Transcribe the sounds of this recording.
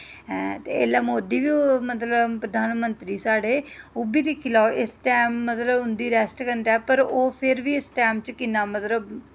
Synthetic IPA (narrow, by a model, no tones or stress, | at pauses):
t̪eːelaːmoːd̪iːʋiːomət̪ləpɾəd̪ʱaːnmənt̪ɾiːsaːɽeːʊbiːd̪ɪkʰːɪlaoʔɪsʈɛːmːət̪ləbɦʊnd̪iːɾɛːsʈkəɳʈɛːpəɾoːpʰɪɾʋiːɪsʈɛːmt͡ʃkɪnaːmət̪ləb